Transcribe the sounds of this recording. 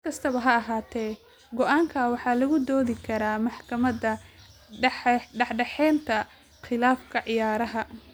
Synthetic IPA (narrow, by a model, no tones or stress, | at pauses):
kʰɐst̪ʰɐβɐɦɐɐɦaːt̪ʰɛː | ɡɔʔaːŋkʰawɑħɑːlɐɣʊd̪ɔːðɪkʰɐɾaːmɑħkʰɐmɐdɐ | ħɖɑħɖɛħɛːnt̪ʰɐ | χɪlaːfkʰɐʕɪjaːɾɐɦɐ